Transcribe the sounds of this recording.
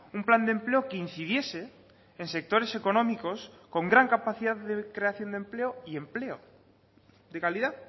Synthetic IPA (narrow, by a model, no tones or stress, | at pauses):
umpland̪empleokein̟θiðjeseː | nsek̚t̪oɾesekonõmikoskoŋɡɾaŋkapaθiðaððekɾeaθjo̞nd̪empleoiempleo | d̪ekalið̞a